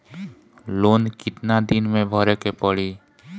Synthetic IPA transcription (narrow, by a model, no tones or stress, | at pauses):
loːnkɪt̪nad̪ɪnmẽbʱəɾekepəɽiː